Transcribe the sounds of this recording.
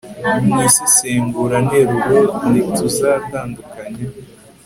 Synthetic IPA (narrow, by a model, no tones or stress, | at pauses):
mŋisi̥seːmɡuɾaneɾuɾonituzataːndukaɲe